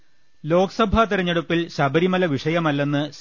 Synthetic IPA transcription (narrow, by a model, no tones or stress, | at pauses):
lo̞ːkɐsɐbʱɐt̪iɾɐɲːɐɽupːilɕɐbɐɾimɐlɐʋiʂɐjɐmɐlːenːɨ